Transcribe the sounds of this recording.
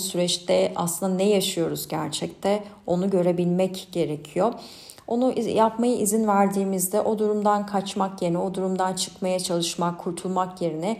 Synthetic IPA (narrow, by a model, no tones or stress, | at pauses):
syɾɛt͡ʃt̪ʰɛa̰slˠɯnd̪anɛjaʃɯjo̞ɾuzɟæɾt͡ʃʰɛc̚t̪ʰɛ | o̞nuɟø̞ɾe̞bilʲmɛcɟ̥e̞ɾecʰijo̞ | o̞nuʔjapmajɯʔizinvæɾd̪iːmizd̪ɛʔo̞d̪uɾumd̪ankʰat͡ʃmakje̞nɛo̞d̪uɾumd̪ant͡ʃʰɯ̥kmajat͡ʃʰalˠɯʃmakʰuɾt̪ʰulˠmakje̞ɾinɛ